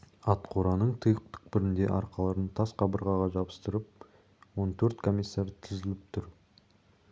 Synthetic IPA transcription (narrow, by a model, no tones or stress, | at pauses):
ɑt̪qʰoɾɑnəɴt̪ʰəjəq̚t̪ʰʏ̥k̚bɪɾɪnd̪e̞̰ʔɑɾqɑlˠɑɾənt̪ʰɑsqʰɑbəɾʁɑʁɑʒɑpə̥st̪əɾəp̚ | wo̞nt̪ʰɵɾt̪kʰo̞mʲijsːaɾt̪ʰɪzɪlɪp̚t̪ʰʊɾ